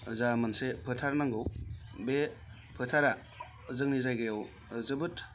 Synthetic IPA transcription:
ɯzamansepʰɯtʰaɾnaŋɡɯwbe | pʰɯtʰaɾa | zɯŋnizajɡajɔw | zɯbɯt

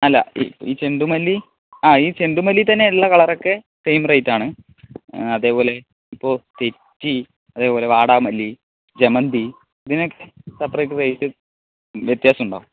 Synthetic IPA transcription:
ɐlːɐ̰ḭiːt͡ɕe̞ɳɖumɐlːi | aːiːt͡ɕe̞ɳɖumɐlːit̪ɐnːe̞ɭːɐkɐɭɐrokːe | sejmrɐjtːaːɳɨ | ɐðe̞ːpo̞ːle̞ | ipːo̞ːt̪e̞tːi | ɐðe̞ːpo̞ːle̞ʋaːɽaːmɐlːi | d͡ʑemɐnd̪i | ɐðinokːesɐpːrɐjʈːɨrejtːɨ | ʋjet̪jaːsɐmuɳɖa̰ːʋum

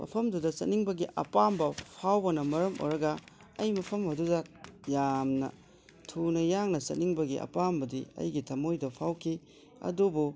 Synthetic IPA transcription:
mʔɐ̰pʰɐmdudɐsɐ̰tniŋbɐɡiʔɐ̰pambɐpʰawbɐnɐmɐɾɐmʔo̰jɾɐɡɐ | ɐjmɐpʰɐmɐdudɐjamnɐ̰ | tʰunɐjaŋnɐsɐ̰t̚niŋbɐɡiʔɐ̰pambɐdiɐ̰jɡitʰɐmojdɐpʰawkʰi | ɐ̰dubu

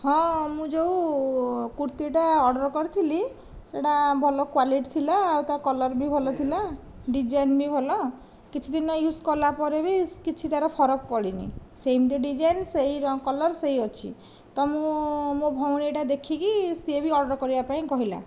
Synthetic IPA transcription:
ɦɔ̃mũd͡ʒew | kuɾt̪iʈaɔɽɔɾkɔɾit̪ʰili | seʈabʱɔlɔkwaliʈt̪ʰilaːwt̪akɔlɔɾbʱibʱɔlɔt̪ʰila | ɖid͡ʒajnbʱibʱɔlɔ | kit͡ʃʰud̪inɔjuskɔlapɔɾebikit͡ʃʰit̪aɾɔpʰɔɾɔkpɔɽinḭsejmd̪iɖid͡ʒajnseiɾɔkɔlɔɾsejɔt͡ʃʰḭ | t̪ɔmũmũbʱɔwɽ̃iʈad̪ekʰikisebʱiɔɽɔɾkɔɾibapaĩkɔɦila̰

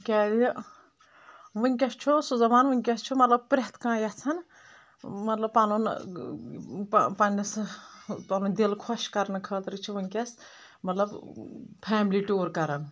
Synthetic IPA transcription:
kʲɛːd̪i | ʋɨnʲkʲɐst͡ʃʰusuzɐmaːnʋɨnʲkʲɐst͡ʃʰumɐt̪lɐb̚pɾeɦt̪kãːjɐt͡sʰɐn | mɐt̪lɐb̚palun | ppɐnʲɐs | palund̪elkʰoʃkɐɾnɨkʰəːt̪ɾɨt͡ʃʰiʋɨnʲkʲɐs | mɐt̪lɐbpʰɛːmliʈoːɾkɐɾɐn

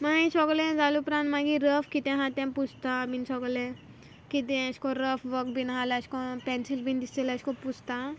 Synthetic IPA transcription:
maĩsɔɡlẽd͡zalupɾãnmaɡiɾəfkit̪ẽɦãt̪ɛ̃mpud͡zt̪abinsɔɡlẽ | kit̪̬ɛ̃əɕkɔɾəfʋəkbʱinɦaleəɕkɔ̃pɛ̃nsilbʱind̪iseleəskɔput͡st̪a

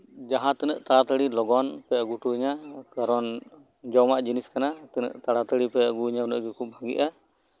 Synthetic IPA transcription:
d͡ʒaɦãt̪ɛnə̰ʔt̪aɽat̪əɽilɔɡɔnpɛəɡuʈuiɲakaɾɔn | d͡ʒɔwmaʔd͡ʒiniskanat̪ɛnə̰ʔt̪aɽat̪əɽipɛəɡuiɲaunə̰ʔɡɛkʰub̚bʱaɡḭʔa

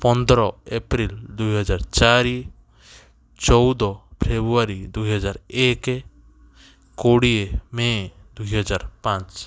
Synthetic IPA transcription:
pɔnd̪ɾɔepɾild̪ujɦɔd͡ʒaɾt͡ʃaɾi | t͡ʃɔwd̪ɔpʰɾebuaɾid̪ujɦɔd͡ʒaɾeke | koɽiemed̪ujɦɔd͡ʒaɾpãt͡ʃ

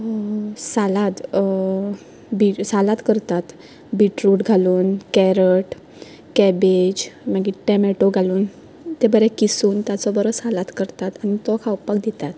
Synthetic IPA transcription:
salat̪ | bisalat̪kəɾt̪at̪ | biʈɾuʈɡʱaluːnkɛɾəʈ | kɛbed͡ʑmaɡiʈɛmɛʈoɡʱaluːn | t̪ebəɾɛkisuːnt̪jat͡sɔbəɾɔsalat̪kəɾt̪at̪añit̪ɔkʰawpakd̪it̪at̪

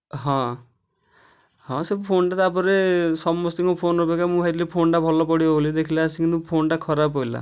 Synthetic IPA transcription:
ɦɔ̃ | hɔ̃sepʰonʈat̪apɔɾesɔmɔst̪iŋkɔpʰonɾɔbekamũat̪lepʰonʈabʱɔlɔpɔɽiɔbolid̪ekʰilaasĩkinũpʰonʈakʰɔɾapɔila̰

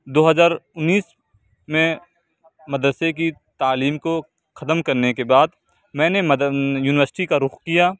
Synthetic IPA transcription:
d̪oːɦəzaːɾʊnːiːs | mẽ | mɐd̪ɾəsek̬it̪aːliːmko | xɐt̪əmkɐɾnekebaːd̪ | mɛ̃ːnemjuːnɪʋəɾsɪ̥ʈikaɾʊxkijaː

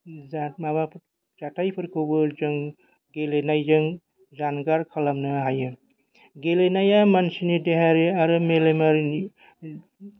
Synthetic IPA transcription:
amaβa | d͡ʒatʰajpʰɯɾkʰobɯɾd͡ʒɯŋ | ɡelenajd͡ʒɯŋ | d͡ʒanɡaɾkʰɐlamnɯɦajɯ | ɡelenajamansinideɦaɾiaɾɯmelemaɾni

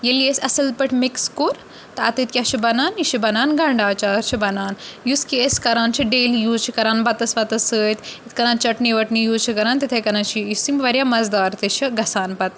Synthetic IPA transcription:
jeliesɐsɐl̚pɐʈʰʲmikskuɾ | t̪ɐɐ̰t̪it̪̚kʲjaːʃʰibɐnaːniʃʰibɐnaːnɡɐɳɖaːt͡ʃaːɾt͡ʃʰibɐnaːnjuskeːskɐɾaːnt͡ʃʰiɖeːlijuːzt͡ʃʰikɐɾaːnbɐt̪ɐsʋɐt̪ɐsəːt̪it̪kɐɾaːnt͡ʃɐʈniʋɐʈnijuːzt͡ʃʰikɐɾaːnt̪it̪ʰekɐɾaːnt͡ʃʰijisimʋɐɾjamɐzd̪aːɾt̪it͡ʃʰiɡɐsaːnpɐt̪̚

